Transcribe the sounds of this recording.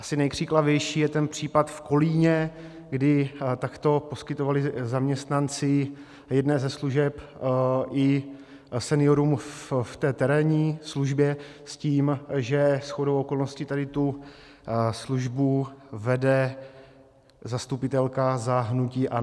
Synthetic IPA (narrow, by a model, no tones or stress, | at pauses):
ʔasɪnɛjkr̝̥iklavjɛjʃiːjɛt̪ɛnpr̝̥iːpat̪fko̞liːɲɛ | ɡdɪt̪akt̪o̞po̞skɪt̪o̞valɪzamɲɛst̪nant͡sɪ | jɛdnɛːzɛsluʒɛpʔɪ | sɛnɪo̞ɾumfft̪ɛːt̪ɛɾɛːɲiːsluʒbjɛ | sciːmʒɛsxodowoko̞lno̞scɪt̪adɪt̪u | sluʒbuvɛdɛ | zast̪upɪt̪ɛlkazaɦnuciːʔa